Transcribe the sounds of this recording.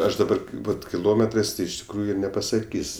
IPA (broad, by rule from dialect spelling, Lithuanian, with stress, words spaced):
ˈɐʃ dɐˈbɐr ˈbʊt kʲɪˈlˠoːmʲɛtrɜs tɐɪ ɪʃ tʲɪkˈruːjʊ nʲɛpɐsɐˈkʲiːsʲ